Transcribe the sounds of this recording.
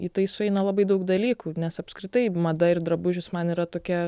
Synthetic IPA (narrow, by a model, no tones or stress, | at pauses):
it̪ɐɪsʊɛɪnɐlˠɑbɐɪd̪ɐʊkd̪ɐlʲiːkuːnʲɛsɐpskɾʲɪt̪ɐɪmɐd̪ɐɪɾd̪ɾɐbʊʒʲʊsmɐniːɾɐt̪oːkʲɛ